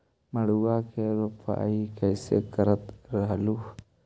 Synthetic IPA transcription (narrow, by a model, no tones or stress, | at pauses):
məɽuwakeɾopʰa̰ikəjsḛkəɾət̪ɾəɦəlu